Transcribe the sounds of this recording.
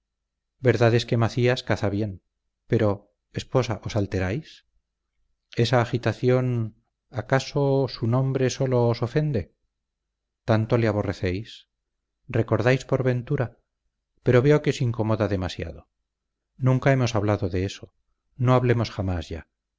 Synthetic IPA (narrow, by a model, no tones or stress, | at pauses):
be̞ɾðaðe̞ske̞maθiaskaθaβje̞n | pe̞ɾo̞ | espo̞saʔo̞salt̪e̞ɾajs | e̞saːxit̪aθjo̞n | akasosunõ̞mbɾe̞so̞lo̞ːso̞fe̞nd̪e̞ | t̪ant̪o̞leaβ̞o̞re̞θe̞js | re̞ko̞ɾðajspo̞ɾβe̞nt̪uɾa | pe̞ɾo̞βe̞o̞keosiŋko̞moðaðe̞masja̰ðo̞ | nũŋkae̞mo̞saβlaðoðe̞eso̞̥ | no̞aβle̞mo̞sχamazʝa̰